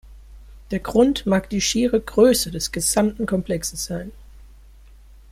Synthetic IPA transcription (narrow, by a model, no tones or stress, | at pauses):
d̥eːɐɡʁʊntmaːkd̥iːʃiːʁəɡʁøːsədɛsɡ̥əzamtn̩kʰɔmpl̥ɛksəsz̥aɪn